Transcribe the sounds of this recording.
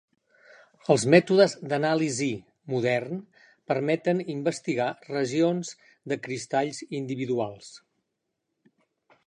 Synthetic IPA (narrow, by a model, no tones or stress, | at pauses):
əlˠzmɛt̪uðəzd̪ənalizi | muðɛrn | pəɾmɛt̪ənimbəst̪iɣarəʒionz | d̪əkɾist̪aʎzind̪iβiðualˠs